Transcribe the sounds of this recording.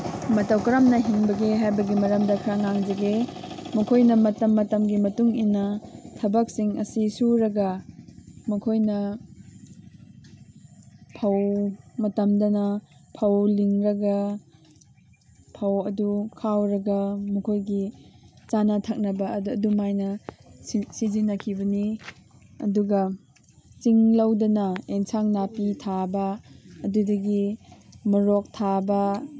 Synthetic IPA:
mɐtɐwkɐɾɐmnɐɦiŋbɐɡeɦajbɐɡimɐɾɐmdɐkʰɾaŋaŋd͡ʒɐɡemɐkʰojnɐmɐtɐmːɐtɐmɡimɐtuŋinːɐtʰɐbɐk̚siŋɐsisuɾɐɡɐ | mɐkʰojnɐ | pʰɐwmɐtɐmdɐnɐpʰɐwliŋɾɐɡɐ | pʰɐwɐdukʰawɾɐɡɐmukʰojɡit͡ʃanatʰɐk̚nɐbɐdumajnɐ | sizinːɐkʰibɐni | ɐ̰duɡɐ | t͡ʃiŋlɐwdɐnɐeŋsaŋnapitʰabɐːdudɐɡimɐɾok̚tʰabɐ

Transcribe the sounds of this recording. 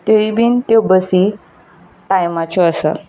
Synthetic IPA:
t̪oibiːnt̪ɔbəsi | ʈajmat͡ɕɔəsə̰

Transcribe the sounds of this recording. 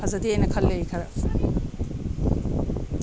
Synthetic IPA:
pʰɐzɐdiejnɐkʰɐlːejkʰɐɾɐ

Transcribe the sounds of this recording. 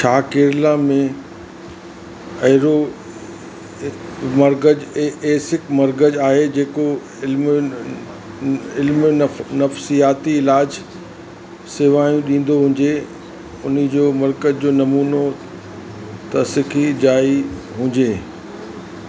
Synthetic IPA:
t͡ɕʰaːkeːɾɪlãmẽ | ɐɦɪɾo | mɐɾɡəd͡ʑeːsɪkmɐɾɡəd͡ʑaːɦed͡ʑeːko | ɪlm | ɪlmnɐfsijaːt̪iɪlaːd͡ʑ | seːʋaːjũɗĩːn̆d̪oɦʊ̃ːd͡ʑe | ʊnəd͡ʑoːmɐɾkəd͡ʑd͡ʑoːnɐmuːno | t̪ɐsɪkʰid͡ʑaːi | ɦũːɲd͡ʑeː

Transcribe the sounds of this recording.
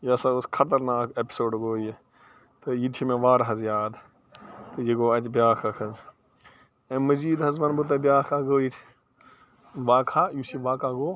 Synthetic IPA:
jasaoskʰɐt̪ɐɾnaːkepi̥soːɖɡoːje | t̪ɨjitʰimẽʋaːɾɦɐzjaːd̪ | t̪ɨjiɡoːɐt̪ʲbjaːkʰakʰɐz | ẽmɐziːd̪ɦɐzʋɐnbut̪̬ɐbʲjaːkʰaːɡoːitʰʲ | ʋaːkʰaːjusiʋaːkaːɡoː

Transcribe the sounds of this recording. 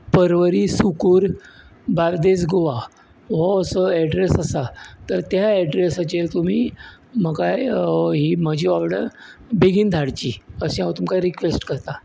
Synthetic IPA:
pəɾʋəɾiːsukuːɾbaɾd̪esɡoʋa | ɦɔəsəɛɖɾesəsat̪əɾt̪ɦaɛɖɾesat͡ɕet̪um̤iː | məkajɦimad͡ʑʱiʋaʋɽə̰bʱeɡiːnd̪ʱaɽt͡ɕiːəsĩaʋt̪umkajɾikʋesʈkəɾt̪a

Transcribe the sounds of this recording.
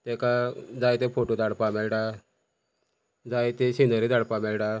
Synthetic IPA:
t̪ɛkad͡zajt̪efoʈod̪aɽpamɛlʈa | d͡zajt̪eɕinəɾid̪aɽpamɛɭʈa

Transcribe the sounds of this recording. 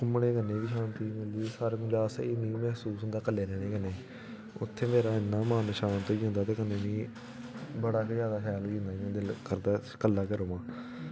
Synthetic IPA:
kʊmɽeːkənːẽːʋiːʃãːnt̪iːmɪliːsaːɾeːmʊd͡ʒaːsa̰ːiːmĩːmɛːɦsuːsɦʊnd̪aːkəlːeːɾɛːɽ̃eːkəneː | ʊ̰t̪ʰːeːmeːɾaːɪnːaːmãːnːʃaːnt̪oːiːɦõːnd̪aːt̪eːkəneːʋĩː | bəɽaːkzjaːd̪aːkʰɛːliɦʊ̃nd̪aːiãːd̪ɪlkəɾd̪aːkəlːaːkəɾoːãː

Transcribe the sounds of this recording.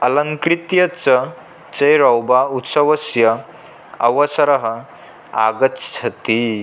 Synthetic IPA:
ɐlɐŋkɾit̪jɐt͡sɐ | t͡sɐjɾɐwbaut̪səʋɐsjɐ | ɐʋəsɐɾɐɦə | a̰ɡət̪t͡ʃʰɐt̪i

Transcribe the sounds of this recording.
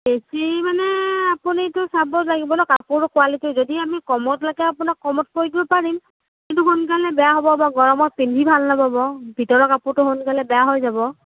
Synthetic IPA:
besimanɛapunitʊsabɔlaɡibɔlɔkapʊɹɹʊkʊalitʊzodiamikɔmɔtlaɡɛapʊnakːɔmɔt̚koɹiɡibɔpaɹim | kintʊɦunk̬alɛbɛjaɦobɔbaɡɔɹɔmɔtpindʱibʱalnababɔbʱitɔɹɔkapʊɹtʊɦonkalɛbɛjaɦojzabɔ

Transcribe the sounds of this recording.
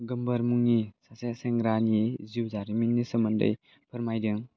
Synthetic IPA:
ɡɯmbɐɾmuŋnisaseseŋɡɾaniziwzaɾiminːisɐmɐndə̰j | pʰɯɾmajdɯŋ

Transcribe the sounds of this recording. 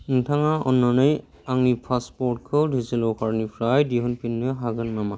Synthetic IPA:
ŋtʰaŋaɔnːɔnɯj | aŋipʰaspɔɹʈ̚kʰɯwdʱizilɔwkʰaɹnipʰɾajdiɦɔnpʰinːɯɦaɡɯnmama

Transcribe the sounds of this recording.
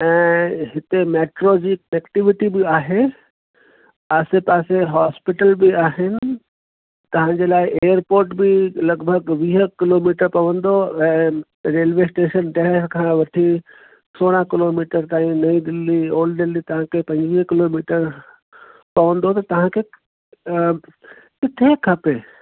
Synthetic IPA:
ɛ̃ːɦɪt̪emeːʈɾod͡ʑiːkɐnɛkʈɪʋɪʈibɪaːɦe | aːsepaːseɦaːspɪʈəlbɪaːɦɪnɪ̆ | t̪ɐʋ̤ãɲd͡ʑelaːɪʔeːjəɾpoːɾʈbɪlɐɡbʱəɡʋiːɦkɪloːmiːʈəɾpɐʋə̃nd̪oɛ̃ː | ɾeːlʋesʈeːʃənʈɛɦəɾkʰãːʋɐʈʰi | soːɽ̃ãkɪloːmiːʈəɾt̪aːĩnɐĩɖɪlːioːlɖɪlːit̪ɐʋ̤ãkʰeːpɐ̃ɲd͡ʑʋiːɦkɪloːmiːʈəɾ | pɐʋə̃nd̪ot̪ɐt̪ɐʋ̤ãkʰe | kɪt̪ʰekʰɐpeː

